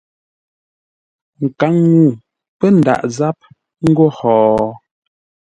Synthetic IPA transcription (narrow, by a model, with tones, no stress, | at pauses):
ŋ̩˨ka˨˦ŋːu˦˨ | pə˦n̩˨da̰˨ʔza˦p̚ | ŋ̩˦ɡo˦˨hɔː˨